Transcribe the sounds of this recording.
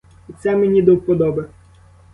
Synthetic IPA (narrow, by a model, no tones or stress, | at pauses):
it̪sɛmenʲid̪ɔwpɔd̪ɔbɐ